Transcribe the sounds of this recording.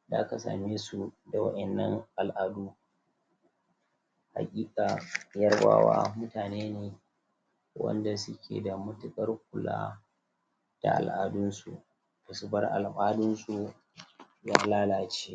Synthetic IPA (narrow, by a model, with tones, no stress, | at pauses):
da̰ː˦ka˨sa̰ː˨meː˦su˨da˨wɐ˦ʔɛ˨nːɐ˦ŋʔa˨lʔa˨duː˦ | ha̰˨kʲʼiː˦kʼa˨jɐ˦rba̰ː˦wa̰ː˦mʊ˦taː˨neː˦neː˨ | wɐ̰˦nda˨sʊ˦kʲḛː˨da˨mʊ˦tʊ˨kʼɐ˦rk̚ʷʊ˨la̰ː˦ | d̥a̰˨ʔa̰˨lʔaː˨dʊ˦nsu˨ʔ | ba˨sʊ˦bɐ˦rʔa˨lɓaː˦dʊ˦nsu˨ | jaː˦laː˦laː˨t͡ʃeː˦